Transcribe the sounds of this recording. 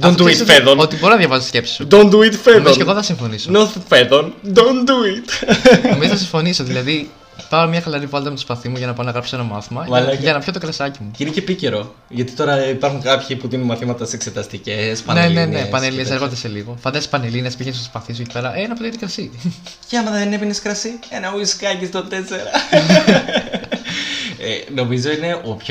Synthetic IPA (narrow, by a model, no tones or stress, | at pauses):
d̪ɐonifeðonot̪ibo̞ɾinɐðʝɐvɐsot̪sce̞psi̥sud̪ond̪uit̪feomzooeɣoθɐsiɱfo̞nisonofeðond̪ond̪uit̪omizoɐsiɱfo̞nisoðilɐði | pɐomɲɐxɐlɐɾivɐlt̪ɐmet̪o̥spɐθimuʝɐnɐpɐonɐɣɾɐpso̥enɐmɐθimɐɐʝɐnɐpço̞t̪o̞kɾɐsɐcimuinecepice̞ɾo̞ | ʝɐt̪i̥t̪oɾɐipɐɾxuŋkɐpçipuðinumɐθimɐt̪ɐsekse̞t̪ɐst̪icespɐnene̞nepɐnelinesseɣo̞nd̪ese̞liɣo̞fɐnd̪ɐsi̥pɐnelinespiʝensot̪spɐθis̬uecipe̞ɾɐʔenɐpot̪it̪ikɾɐsiceɐmɐðɐðenepineskɾɐsienɐuiskɐcist̪ot̪e̞se̞ɾɐ | eno̞mizo̞ine̞ʔopç